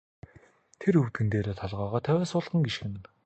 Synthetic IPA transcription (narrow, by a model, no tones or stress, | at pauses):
t̪ʰeɾɵwt̪̚ɡɘ̆nt̪eːɾeːt̪ʰɔɮʁaːʁaːt̪ʰæwʲæːsʊːɮʁə̆ŋɡiʃxɘ̆nɘ̆n